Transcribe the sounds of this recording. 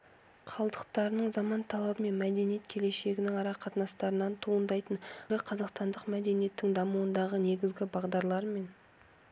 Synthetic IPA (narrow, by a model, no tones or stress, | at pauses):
qʰɑlˠd̪əqt̪ɑɾənəɴzɑmɑnt̪ʰɑlˠɑbəme̞nmæd̪e̞nije̞t̪̚kʲʰe̞le̞ʃe̞ɡʲɪnɪŋɑɾɑqʰɑt̪ənɑst̪ɑɾənɑnt̪ʰuənd̪ɑjt̪əɴlɪqʰɑzɑqst̪ɑnd̪əqmæd̪e̞nije̞t̪ːɪŋd̪ɑmuwənd̪ɑʁəne̞ɡʲɪzɡʲɪbɑʁd̪ɑɾlˠɑɾme̞n